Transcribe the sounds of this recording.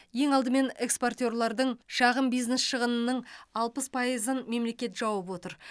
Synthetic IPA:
je̞ŋɑlˠd̪əme̞nekspo̞rt̪ʲo̞rlˠɑɾd̪əɴʃɑʁəmbijznesʃəʁənənəɴɑlˠpəspʰɑjəzənme̞mle̞kʲe̞t̪ʒ̥ɑwəpwo̞t̪əɾ

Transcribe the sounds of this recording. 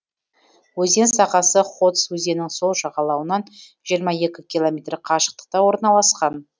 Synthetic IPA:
wɵze̞nsɑʁɑsəχo̞t̪swɵze̞nɪŋso̞lˠʒɑʁɑlˠɑwənɑn | ʒijəɾmɑje̞kʲɪkʲʰilˠomʲet̪rqʰɑʃə̥q̚t̪ə̥q̚t̪ɑwo̞ɾnɑlˠɑsqɑn

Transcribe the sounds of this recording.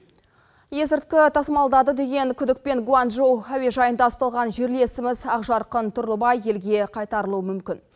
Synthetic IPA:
je̞zɪɾt̪̚kʲɪt̪ʰɑsmɑlˠd̪ɑd̪əd̪e̞ɡʲe̞ŋkʲʰʏd̪ɪk̚pe̞ŋɡwanʒowaweʒɑjənd̪ɑʊst̪ɑlˠʁɑnʒe̞ɾle̞sɪmɪzɑqʒɑɾqənt̪ʰʊɾlˠəbɑje̞lɡʲe̞qʰɑjt̪ɑɾəlˠuəmʏmkʲɪn

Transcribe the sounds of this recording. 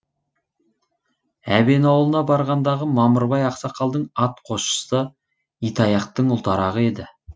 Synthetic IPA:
æbe̞nɑwlˠənɑbɑɾʁɑnd̪ɑʁəmɑməɾbɑjɑqsɑqʰɑlˠd̪əɴɑt̪qʰo̞ʃə̥sə | ijt̪ɑjɑqt̪əɴʊlˠt̪ɑɾɑʁəe̞d̪ɪ

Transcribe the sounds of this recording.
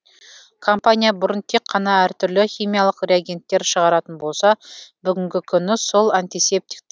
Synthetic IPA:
kʰo̞mpanʲijabʊɾənt̪ʰe̞kʰːɑnɑæɾt̪ʰʏɾlɪχʲijmijalˠəqrʲeaɡʲe̞nt̪ːe̞ɾʃəʁɑɾɑt̪ənbo̞lˠsɑbʏɡʲɪŋɡʲɪkʲʰʏnɪso̞lˠant̪ijse̞p̚t̪i̥k̚t̪

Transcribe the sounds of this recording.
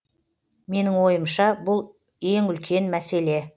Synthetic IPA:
me̞nɪŋwo̞jəmʃɑbʊlˠ | e̞ŋʏlkʲʰe̞nmæse̞le̞

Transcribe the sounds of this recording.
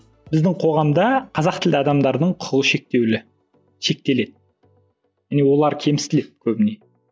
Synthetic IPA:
bɪzd̪ɪŋqʰo̞ʁɑmd̪ɑqʰɑzɑq̚t̪ʰɪld̪ɪɑd̪ɑmd̪ɑɾd̪əɴqʰʊlˠəʃe̞k̚t̪ewlɪ | ʃe̞k̚t̪e̞le̞d̪ɪ | mɪne̞wo̞lˠɑɾkʲʰe̞mɪst̪ɪle̞t̪̚kʲʰɵbɪne̞

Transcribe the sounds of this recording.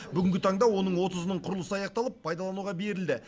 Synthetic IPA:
bʏɡʲɪŋɡʲɪt̪ʰɑɴd̪ɑwo̞nəɴwo̞t̪əzənəɴqʰʊɾlˠəsəɑjɑq̚t̪ɑlˠəpʰːɑjd̪ɑlˠɑnuʁɑbe̞ɾɪld̪ɪ

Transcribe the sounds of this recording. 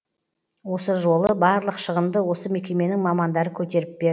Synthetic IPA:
wo̞səʒo̞lˠəbɑɾlˠəqʃəʁəmd̪əwo̞səme̞kʲe̞me̞nɪŋmɑmɑnd̪ɑɾəkʲʰɵt̪e̞ɾɪp̚b̥e̞ɾ

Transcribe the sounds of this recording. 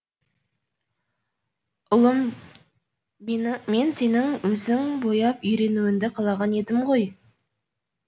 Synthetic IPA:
ʊlˠəm | me̞nse̞nɪŋwɵzɪŋbo̞jɑpʏjɾe̞nuɪnd̪ɪqʰɑlˠɑʁɑne̞d̪ɪmʁo̞j

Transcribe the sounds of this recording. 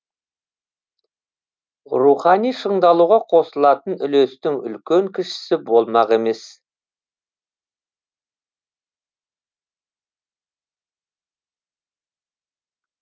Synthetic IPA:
ruχɑnijʃəɴd̪ɑlˠuʁɑqʰo̞səlˠɑt̪ənʏlest̪ɪŋʏ̰lkʲeŋkʲʰɪʃɪ̥sɪbo̞lˠmɑqe̞me̞s

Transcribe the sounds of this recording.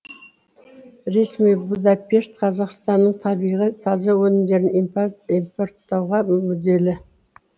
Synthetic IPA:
ɾe̞smijbud̪ɑpʲe̞ʃt̪qʰɑzɑqst̪ɑnːəɴt̪ʰɑbijʁət̪ʰɑzɑwɵnɪmd̪e̞ɾɪniimpoɾt̪ːɑwʁɑmʏd̪e̞lɪ

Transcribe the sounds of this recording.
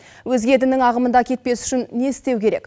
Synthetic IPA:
wɵzɡʲe̞d̪ɪnɪŋɑʁəmənd̪ɑkʲʰe̞t̪̚pe̞sʏ̥ʃɪnːe̞ɪst̪e̞wkʲʰe̞ɾe̞k

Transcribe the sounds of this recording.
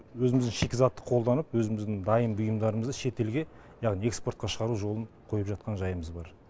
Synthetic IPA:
wɵzɪmɪzd̪ɪŋʃekʲɪzɑt̪ːə̥qʰo̞lˠd̪ɑnəpwɵzɪmɪzd̪ɪŋd̪ɑjəmbʊjəmd̪ɑɾəməzd̪əʃe̞t̪e̞lɡʲe | jɑʁnije̞kspo̞ɾt̪qɑʃəʁɑɾuʒo̞lˠəɴ | qʰo̞jəpʒɑt̪̚qɑnʒɑjəməzbɑɾ

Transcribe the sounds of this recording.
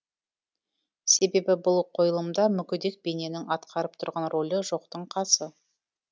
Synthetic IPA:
se̞be̞bɪbʊlˠqʰo̞jəlˠəmd̪ɑmʏkʲʏd̪e̞k̚be̞ne̞nɪŋɑt̪qʰɑɾəp̚t̪ʰʊɾʁɑnrʔo̞lʲəʒo̞qt̪əɴqʰɑsə

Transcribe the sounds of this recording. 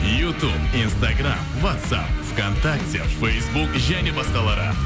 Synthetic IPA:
jut̪ubinst̪aɡra̰mvat̪sa̰pv̥kont̪akt̪ʲe̞fejsbukʒæne̞bɑsqɑlˠɑɾə̰

